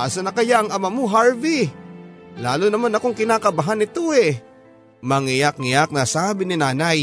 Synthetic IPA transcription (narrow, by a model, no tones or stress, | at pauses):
ʔaːsɐnɐkɐjaʔɐŋʔɐmamoɦaɹvi | laːlonɐmanɐko̞ŋkɪnaːkɐbɐɦanɪt̪oʔɛ | mɐŋɪjak̚ŋɪjak̚nɐsaːbɪnɪnaːnɐj